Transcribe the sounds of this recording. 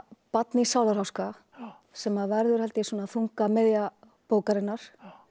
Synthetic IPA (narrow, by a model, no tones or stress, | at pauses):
pat̪nɪsaːwðaɾhawska | sɛmavɛɾðʏɾ̥hɛlt̪ɪsuːnaθuŋkamɛðja | poːwkaɾɪnːaɾ̥